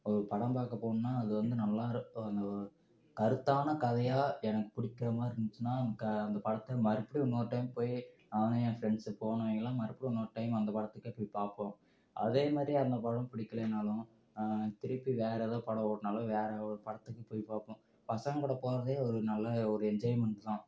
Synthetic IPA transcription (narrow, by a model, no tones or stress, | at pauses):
ɔɾɯpɐɽɐ̃mpaːkɐpoːɳʊnːaːɐðɯʋɐnd̪ɯnɐlːaːɾɐnd̪ɐ | kɐɾɯt̪ːaːnɐkɐðɐjaːɛnɐkːɯ̥pʊɽɪkːɪɾɐmaːɪɾnd̪ɯt͡ʃːɯnːaːkːɐnd̪ɐpɐɽɐt̪ːmɐɾɪpːɐɽiɔnːoːɾʈːɐjmpoːji | aːnɐjãfɾɛɳɖspoːɳʊ̃ʋeːŋɡɐlːãːmɐɾɪpːɐɽiɔnːoːɾʈːɐɪmɐnd̪ɐpɐɽɐt̪ːɯkːɯpoːjpaːpːõ | ʔɐ̰ðeːmaːd̪ɾiɐnd̪ɐpɐɽɐ̃mpɪɽɪkːɐleːnːaːlʊ̃ | t̪ɪɾɯpːiʋeːɾɐðãːpɐɽɐoːɽnaːlɐ̃ʋeːɾɐɔɾpɐɽɐt̪ːɯkːɯpoːjipaːpːʊ̃ | pɐsɐŋɡɐɽɐpoːɾɐðeːɔɾɯnɐlːɐɔɾɯɛɲd͡ʒoːjmɛɳʈt̪ãː